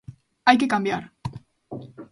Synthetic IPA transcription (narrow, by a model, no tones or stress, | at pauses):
ajkekambjaɾ